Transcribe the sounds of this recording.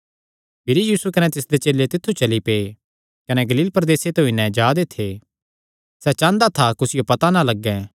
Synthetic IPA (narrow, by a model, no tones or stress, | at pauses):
pʰɪɾijiːsukɐnɛt̪ɪsd̪et͡ʃeːlet̪ɪt̪ʰːut͡ʃɐlipe | kɐnɛɡɐliːlpɾɐd̪eːset̪oinɛd͡ʒaːd̪et̪ʰeː | sɛt͡ʃãːnd̪at̪ʰakʊsɪjopɐt̪analɐɡːɛ̃